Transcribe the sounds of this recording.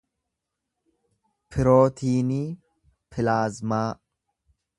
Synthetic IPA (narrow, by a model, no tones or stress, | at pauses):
pʰɪɾoːt̪ʰiːniː | pʰɪlaːzmaː